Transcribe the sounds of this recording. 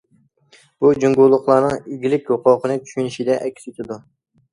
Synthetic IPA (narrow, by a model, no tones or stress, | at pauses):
b̥ud͡ʒoŋɡulˠːʊχlˠɑɾnɨŋiɡʲilɪkʲjoqoːqənɨt͡ʃʰy̥ʃynɪʃid̪ɛʔɛkʲset̪ʰɪd̪u